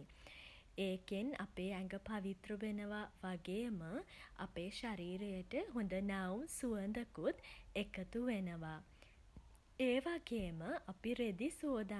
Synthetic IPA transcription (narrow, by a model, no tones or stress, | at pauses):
eːkena̰peːæŋɡəpaʋit̪ɾuʋenəʋaʋaɡejəməa̰peːʃaɾiːɾejəʈəɦund̪ənawmsuənd̪əkut̪ekət̪uʋenəʋa | eːʋaɡejəməʔapiɾed̪isoːd̪a